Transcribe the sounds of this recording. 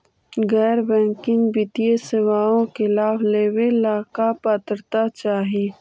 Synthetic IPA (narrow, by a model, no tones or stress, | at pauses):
ɡɛːɾbɛ̃ːŋkɪŋbɪt̪ijesɪʋaːõkɪlaːbleːwelaːkapat̪əɾt̪at͡ʃaːɦieː